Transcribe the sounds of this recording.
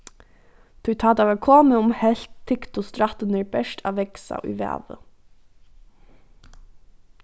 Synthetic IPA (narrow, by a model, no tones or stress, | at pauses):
t̪ʰʉt̪ʰɑːd̪ɑʋəkʰoːməʊmhɛɬt̪ʰːɪkt̪ʊst̪ɾɑt̪ənəɹbɛʃʈʰɑ̰ːʋɛksɑ̰ʔy̰ʋæ̰ːʋə̰